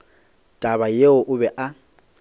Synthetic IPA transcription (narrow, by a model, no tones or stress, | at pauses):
tʼaβajeʊʔʊbɛʔa